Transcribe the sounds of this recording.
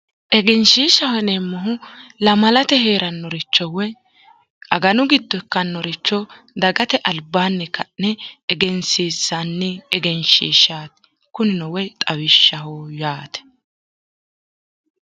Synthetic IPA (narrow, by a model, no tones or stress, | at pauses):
ʔɛɡɛnʃiːʃɐwɛnemːɔɦʊlɐmɐlɐt̪ɛɦeːɾɐnːɔɾɪt͡ʃːɔwɛ | ɐɡɐnʊɡɪd̪ːɔɛkːɐnːɔɾɪt͡ʃːɔ | d̪ɐɡɐt̪ɛʔɐlbaːnːɛkɐnɛːɡɛnsiːsːanːɛɛɡɛnʃḭːʃaːt̪ɛ̥ | kʊnɪnɔwɛt̪ʼɐwɪʃːɐhoːjaːt̪ɛ̥